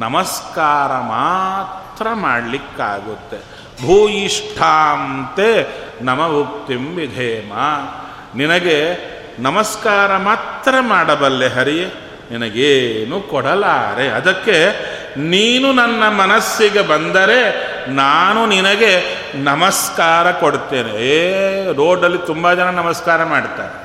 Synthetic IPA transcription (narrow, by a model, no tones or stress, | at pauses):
nɐmɐskaːɾɐmaːt̪ɾɐmaːɽlikːa̰ːɡut̪ːe | bʱuːjiʂʈʰaːnnt̪enɐmɐbʱup̚t̪imʋid̪ʱeːma | ninɐɡe | nɐmɐskaːɾɐmaːt̪ɾɐmaːɽɐbɐlːeɦɐɾije | ninɐɡeːnukɔɽɐlaːɾeɐ̰d̪ɐkːe̞ | niːnunɐnːɐmɐnɐsːiɡe̞bɐnd̪ɐɾe̞ | naːnuninɐɡe̞ | nɐmɐskaːɾɐkoɽt̪eːne | ɾoːɖɐlːit̪umbɐd͡ʒɐnɐnɐmɐskaːɾɐmaːɽt̪a̰ːɾe